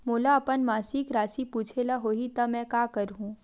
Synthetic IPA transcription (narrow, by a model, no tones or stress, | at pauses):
moːlaɐpənmaːsikɾaːsipuːt͡ʃʰelaɦoːɦit̪ɐmɛ̃kaːkɐɾɦũː